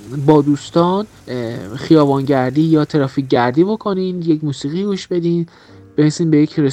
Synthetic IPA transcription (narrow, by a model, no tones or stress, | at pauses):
bɒːd̪uːst̪ɒːn | χijɒːbɒːnɟæɾd̪iːjɒːt̪ʰeɾɒːfiːɟæɾd̪iːbo̞kʰo̞niːnjecʰmuːsiːɣiːɡuʃbe̞d̪iːn | b̥enesiːnbe̞jecʰɾe